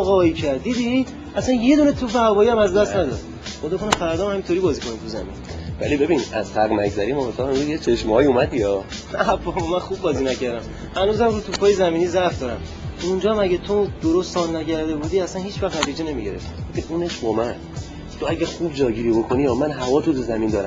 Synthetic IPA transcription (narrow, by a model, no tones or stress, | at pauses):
ɣɒːicʰæɾd̪d̪iːd̪i | æsænje̞d̪uːnet̪ʰupehæbɒːjiæmæzd̪æst̪næd̪ɒ̰d̪ | xoːd̪ɔkʰonemfæɾæɾd̪æmhæmint̪oɾiːbɒːziːkʰo̞nit̪ʰuzæ̰mḭn | væ̰libe̞binæ̰zt̪ʰæɣmækzæɾimɒot̪ʰɒːhemɾuzjet͡ʃʰe̞ʃmɒːjiumæd̪iɒː | æpʰːɒbɒmænxub̚bɒːziːnæcæɾd̪æm | hænuzæmɾut̪ʰupʰɒːjezæmiːniːzæfd̪ɒːɾæm | und͡ʒɒːhæmæɟæt̪ʰod̪̥oɾost̪sɒːlnæcæɾd̪e̞bud̪iːæsænhiːt͡ʃvæχnæt̪ʰiːd͡ʒene̞miɟeɾeft̪iɡofʰeuːneʃbɒːmæn | t̪ʰoæɟæɾxub̚d͡ʒɒːɟiɾiːbo̞kʰoniɒːmænɦævɒːt̪ʰut̪ʰuzæmind̪ɒːɾæ̰m